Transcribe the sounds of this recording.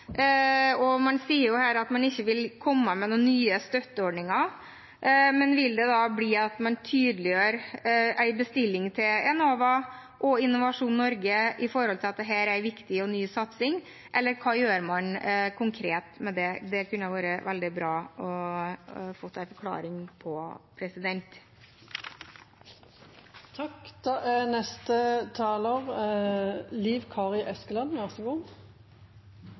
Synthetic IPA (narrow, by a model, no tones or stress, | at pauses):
ɔmɑnsiːəɾjʊhæːɾɑt̪mɑnɪçːəʋɪlkʰɔmːəmɛnuːnːyːəst̪œt̪ːəɔɖɳɪŋɑ | mɛnʋɪld̪ɛd̪ɑːbliːɑt̪mɑnt̪ʰyːd̪əlɪjøːɾæɪbəst̪ɪlːɪŋt̪ʰɪlɛnoːʋɑ | ʔɔɪnːʊʋɑʂuːnnːɔɾɡəɪfɔɾhɔlt̪ʰɪlɑt̪̚d̪ɛɦæːɾæɾʋɪkt̪ɪɔnyːsɑt̪sɪŋ | ʔɛlːəɾkʰɑːjøːɾmɑnkʰʊŋkʰɾeːt̪mɛd̪ɛd̪ɛkʰʉnəjæɪʋæːɾəʋɛld̪ɪbɾɑːʔɔ | foːsæɪfɔɾkʰlɑ̰ːɾɪŋpʰɔpʰɾɛsɪd̪ɛnt̪ | t̪ʰɑkd̪̥ɑːʔænɛst̪ət̪ʰɑːləːʁ | liːʋkʰɑːʁɪʔɛskəlɑnʋæʁsəɡun